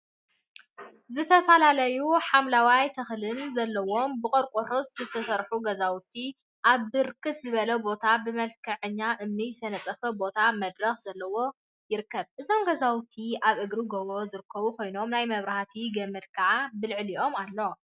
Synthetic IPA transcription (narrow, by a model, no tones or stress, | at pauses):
zɨt̪ʰɐfɐlalɐjuħamlawajt̪ʰɐxlɨnzɐlːɐwo̞mbɨkʼɐɾkʷʼoɾoszɨt̪ʰɐsɐɾħuɡɐzawt̪ʰi | ʔaβːɨɾkʰɨt̪zɨβɐlɐbo̞t̪ʰabɨmɐlkʰɐʕɨɲːaʔɨmnijsɐnɐt͡sʼɐfɐbo̞t̪ʰamɐd̪ɾɐxz̥ɐlːɐwo̞ | jɪɾkʰːɐβʔɨzo̞mɡɐzawt̪ʰiʔaβʔɨɡɾiɡɐβozɨɾɨkʰːɐβukʰo̞jno̞mnajmɐβɾahat̪ʰiɡɐmːɨd̪̚kʰɐʕabɨlʕliʔo̞malːo̞